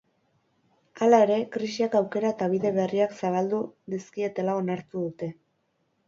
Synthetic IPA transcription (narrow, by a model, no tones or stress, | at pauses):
alae̞ɾe̞kɾisiakawke̞ɾaet̪aβ̞iðe̞βe̞riaksaβ̞ald̪uðiskie̞t̪e̞lao̞naɾt̪uðut̪e̞